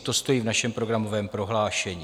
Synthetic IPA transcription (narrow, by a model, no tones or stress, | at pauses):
t̪o̞st̪o̞jiːvnaʃɛmpɾo̞ɡɾamo̞vɛːmpɾo̞ɦlaːʃɛɲi